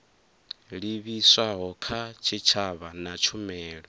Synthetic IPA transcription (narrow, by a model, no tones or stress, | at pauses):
ɺiβiswaɦɔkʰat͡ʃʰit͡ʃʰaβanat͡ʃʰumɛːɺɔ